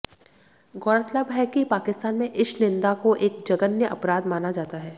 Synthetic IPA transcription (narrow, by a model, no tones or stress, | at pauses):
ɡɔːɾət̪ləbɦɛkipaːkɪst̪aːnmẽʔɪʃnɪ̃nd̪akoʔeːk̚d͡ʒɐɡənjəʔɐpɾaːd̪maːnad͡ʒaːt̪aɦɛː